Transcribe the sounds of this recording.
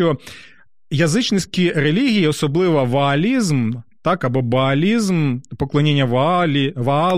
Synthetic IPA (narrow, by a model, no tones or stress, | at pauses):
ɔ | jɐzɨt͡ʃnɪsʲkʲiɾɛlʲiɣʲijiɔsɔblˠɪʋɐʋɐɐlʲizmt̪akɐbɔbɐɐlʲizmpɔklˠɐnʲenʲːɐ | ʋɐa